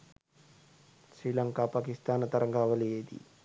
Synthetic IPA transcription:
sɾilɐŋkaːpaːkist̪aːnɐt̪ɐɾɐŋɡaːʋɐlijeːd̪ḭ

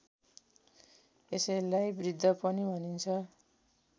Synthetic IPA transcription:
esʌjlajbrid̪ʱːʌpʌnibʱʌnint͡sʰʌ

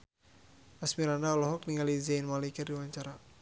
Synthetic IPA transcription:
asmiɾandalɔɦɔk̚niŋalizajnmalikərdiwaɲt͡ʃaɾa

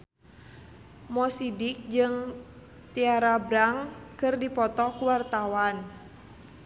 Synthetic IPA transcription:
mɔsidik̚d͡ʒɨŋ | t̪iaɾabɾaŋkɨrdipɔt̪ɔkuwart̪awan

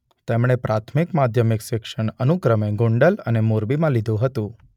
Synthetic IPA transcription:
t̪emɳ̃epɾʔat̪ʰmikmad̪ʱjəmɪkʃɪkʃəɳənukɾəmeɡoɳɖələ̰nemoɾbimãlid̪ʱũɦət̪ũ

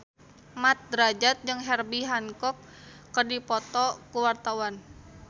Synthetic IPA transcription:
mat̪̚d̪ɾad͡ʒat̪̚d͡ʒɨŋɦɛrbiɦankɔkː | ərdipɔt̪ɔkuwart̪awan

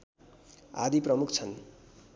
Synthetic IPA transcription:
a̰d̪iprʌmukʰt͡sʰʌn

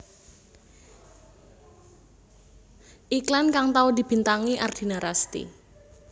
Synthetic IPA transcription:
ʔiklankaŋt̪aud̪i̤b̥i̤nt̪aŋiʔard̪̥i̤naɾast̪ḭ

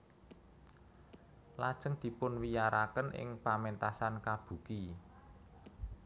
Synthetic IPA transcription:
lad̥ʒ̥ə̤ŋd̪̥i̤pʊnwijaɾakənʔɪ̰ŋpament̪asankab̥ṳki

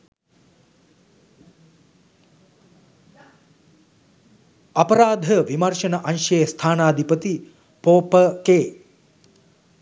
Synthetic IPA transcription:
ɐpɐɾaːd̪ʱəʋimɐrʂɐnɐʔanʃeːst̪ʰaːnaːd̪ʱipət̪i | poːpəkeː

